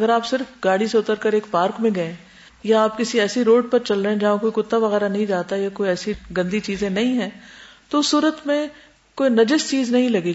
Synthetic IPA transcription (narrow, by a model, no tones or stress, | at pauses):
ɐɡəɾaːpsɪɾfɡaːɽiseʊt̪əɾkɐɾeːkpaːɾkmẽɡɐẽ | jaaːpkɪsiɛːsiɾoːɖ̚pɐɾt͡ʃɐlɾɐɦẽd͡ʒɐɦãkoːikʊt̪ːaʋɐɣɛːɾanɐɦĩd͡ʒaːt̪ajakoːiɛːsiɡɐ̃nd̪it͡ʃiːzẽnɐɦĩɦɛ̃ːt̪oʊsːuːɾət̪mẽ | koːinɐd͡ʒɪst͡ʃiːznɐɦĩlɐɡiː